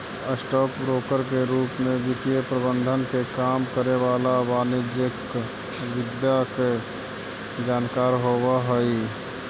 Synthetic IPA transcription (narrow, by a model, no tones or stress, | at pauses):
əsʈɔːkbɾoːkəɾkeɾuːpmẽʋɪt̪jepɾəbə̃nd̪ʱənkekaːmkəɾeʋaːlabaːnɪd͡ʒek | ʋɪd̪jake | d͡ʒaːnkaːɾɦowaɦəi